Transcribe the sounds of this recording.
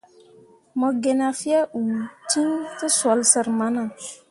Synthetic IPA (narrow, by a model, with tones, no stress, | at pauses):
mɔ˨ɡe˨na˨fi˦a˦ʔu˨ti˦ntɨ˦swɔ˨˦lsə˨ɾma˦na˨